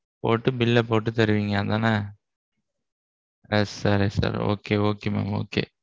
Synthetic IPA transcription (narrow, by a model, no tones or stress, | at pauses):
poːʈːɯbɪlːɐpoːʈ̬ːɯt̪ɛɾɯʋiːŋɡɐɐðãːnaː | ɛsːɐɾisa̰ːɾo̰ːkeːoːkeːmḛmo̰ːkḛː